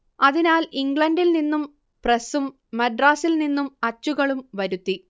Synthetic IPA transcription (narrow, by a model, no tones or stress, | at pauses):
ɐðinaːliŋɡɭɐndilninːum | presumː | ɐɖraːsilninːumɐt͡ɕːuɣɐɭumʋɐɾut̪ːi